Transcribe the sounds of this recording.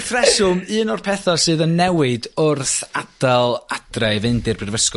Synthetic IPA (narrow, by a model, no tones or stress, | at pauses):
θrɛsʊmɨːnɔrpʰɛθɔsɨːðənːɛwɨdʊrθad̥alˠad̥rajvɨndɪrbrɪrvəsk